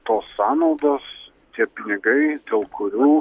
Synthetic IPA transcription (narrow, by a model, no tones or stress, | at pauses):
t̪oːsːɑːnɒʊd̪oːs | t̪ʲiɛpʲɪnʲɪɡɐɪd̪ʲeːlˠkʊɾʲuː